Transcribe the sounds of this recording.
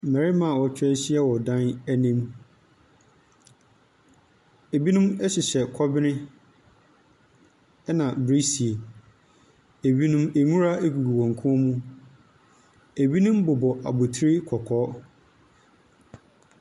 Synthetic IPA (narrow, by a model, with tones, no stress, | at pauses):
m̩˨mɛ˨ɾɪ˦mã˨wɔ˨t͡ɕʰᶣɛ˦ɕi˦ɛ˦wɔ˨dã˦næ˦nĩ˦m | e˨bi˦nũ˦mɛ˦ɕɪ˨ɕɛ˨kʰɔ˦bɪ˦nɪ̃˦ | ɛ˦nã˨bɾi˦si˨e˨ | e˨bi˦nũ˦me˨mũ˦ɾa˦ʔe˦ɡu˨ɡu˨wɔ̃˨ŋ˨kʰũ˦ɔ˦mũ˦ | e˨bi˦nũ˦mbʊ˨bɔ˨ʔa̰˨bʊ˨tʰi˦ɾɪ˦kʰɔ˨kʰɔː˦